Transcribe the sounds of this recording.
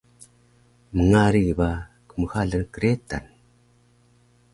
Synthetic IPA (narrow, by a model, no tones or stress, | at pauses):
məŋaɾiba | kəməxaɮənkəɾeta̰n